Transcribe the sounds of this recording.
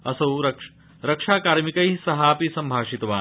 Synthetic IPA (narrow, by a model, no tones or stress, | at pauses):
ɐsɐwɾɐk | ɾɐkʂaːkaːɾmikɐjsɐɦaːpisɐmbʱaːʂit̪ɐʋaː